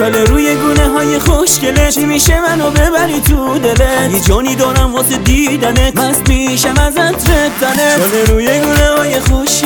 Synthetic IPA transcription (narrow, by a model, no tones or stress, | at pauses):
oleɾuːjeɡuːneɦɒːjeχoʃcelet͡ʃʰimiːʃemænobebæɾit̪ʰud̪elejed͡ʒɒːniːd̪ɒːɾæmvɒːsed̪iːd̪ænet̪pæsmiːʃævæzæt̪ɾet̪d̪æneoleɾuːjeɡuːnehɒːjexoʃ